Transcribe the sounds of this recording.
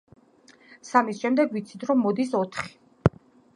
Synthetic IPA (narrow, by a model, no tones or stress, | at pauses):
samisʃɛmd̪ɛɡvit̪sʰi̥t̪ʰɾɔmːɔd̪isɔt̪ʰχi̥